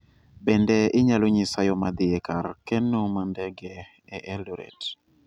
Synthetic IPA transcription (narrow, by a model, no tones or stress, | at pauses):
bɛndɛʔɪɲaloɲisajomad̪ɪɛkarkɛnomandɛɡɛ | ɛʔɛloɾɛ̰t